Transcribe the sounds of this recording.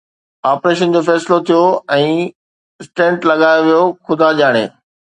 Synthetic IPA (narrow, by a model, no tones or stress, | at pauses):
aːpɾeːʃ̬ənd͡ʑofɛːsɪlot̪ʰijoɛ̃ː | sʈẽːɳʈlɐɠaːjoʋijoxʊd̪ʱaʄaːɽ̃eː